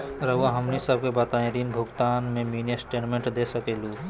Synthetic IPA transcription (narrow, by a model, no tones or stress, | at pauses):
ɾəuaɦəmnisəb̚ʱkebət̪aẽɾinbʱuɡt̪anmeminesʈeʈmẽɳʈd̪esəkelu